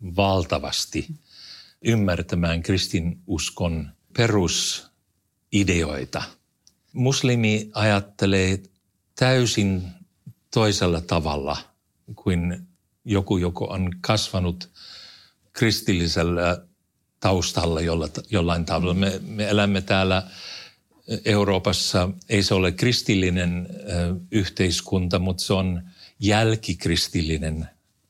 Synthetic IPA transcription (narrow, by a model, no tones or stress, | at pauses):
ʋɑlt̪ɑʋɑ̰st̪i | ymːært̪æmæːŋkrist̪inuskon | perus | ideo̰it̪ɑ | muslimiɑjɑt̪ːeleː | t̪æysin | t̪oiselːɑt̪ɑʋɑ̰lːɑ̰ | kuin | jokujoko̰ʔonkɑsʋɑnut̪ | krist̪ilːiselːæ | t̪ɑust̪ɑlːɑjolːɑtjolːɑint̪ɑʋelːɑmemeelæmːet̪æːlːæ | euroːpɑsːɑeiseolekkrist̪ilːinen | yht̪eiskunt̪ɑmut̪seonjælkikrist̪ilːinen